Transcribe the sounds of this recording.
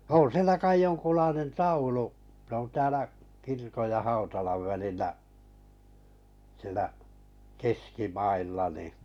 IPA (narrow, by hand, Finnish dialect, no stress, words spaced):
on sielæ kɑi joŋkulɑinen tɑulu s on tæːlæ kirkoj jɑ hɑutɑlɑʋ ʋælilːæʔ siĕlæ keskimɑilːɑ ni